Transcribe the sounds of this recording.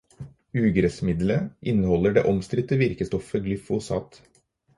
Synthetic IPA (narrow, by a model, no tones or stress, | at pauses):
ʉːɡɾɛsmɪd̪ləʔɪnːəhɔlːəɖḛːʔɔmst̪ɾɪt̪əʋɪɾkəst̪ɔfəɡlʏfʊsɑ̰ːt̪